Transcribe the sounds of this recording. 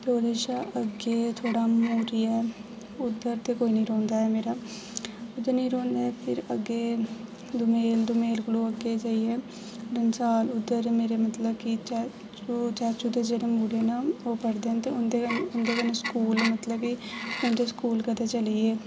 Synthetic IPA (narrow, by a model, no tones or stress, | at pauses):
poːleʃaːʔəɡeːt̪ʰoːɽaːmuːɾiɛː | ʊd̪ːəɾt̪eːkoːiːnĩːɾõːnd̪aːɦɛːmeːɾaː | ʊd̪əɾnĩːɾõːnd̪aːɦɛːpʰɪɾəɡːeː | d̪ʊmeːld̪ʊmeːlkəloːəɡeːd͡ʒaːiɛː | ɖənsaːlʊd̪ːəɾmeːɾeːmət̪ləbkɪt͡ʃɛ | t͡ʃːt͡ʃɛːt͡ʃut̪eːd͡ʒeːɽeːmuːɾeːnaoːpəɽd̪eːɛ̃t̪eːʊnd̪eʊnd̪eːkəneːskuːlmət̪ləbkɪɛ̃d̪eskuːlkət̪eːt͡ʃəliːeː